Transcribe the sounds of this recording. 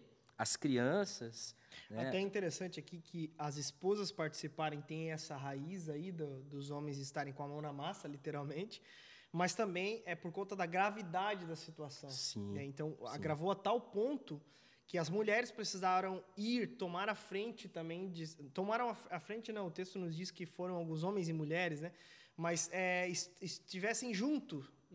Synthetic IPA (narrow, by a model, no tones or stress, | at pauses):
ɐskɾiɐ̃sɐs | nat̪ɛĩnt̪eɾesɐ̃nt͡ʃɪakikʰɪɐzɪspozɐspaɾt͡ʃi̥sipaɾẽj̃t̪ẽj̃ɛsɐɦaizaid̪ɐd̪ʊzõmẽj̃zɪst̪aɾẽj̃kõamɐ̃w̃nɐmasɐlit̪eɾawmẽnt͡ʃɪ̥ | mɐst̪ɐ̃mbẽj̃ɛpoɾkõnt̪ɐd̪ɐɡɾavid̪ad͡ʒɪd̪ɐsit̪uasɐ̃w̃sĩnɛẽnt̪ɐ̃w̃a̰ɡɾavoat̪awpõnt̪ʊ | kɪɐzmuʎɛɾɪspɾesizaɾɐ̃w̃iɾt̪omaɾɐfɾẽnt͡ʃɪt̪ɐ̃mbẽj̃d͡ʒɪt̪omaɾɐ̃w̃afafɾẽnt͡ʃɪnɐ̃w̃ʊt̪est̪ʊnʊzd͡ʒiskɪfoɾɐ̃w̃awɡũzõmẽj̃zɪmuʎɛɾɪsnɛ | mɐsɛɪsɪst͡ʃivɛsẽj̃ʒũnt̪ʊ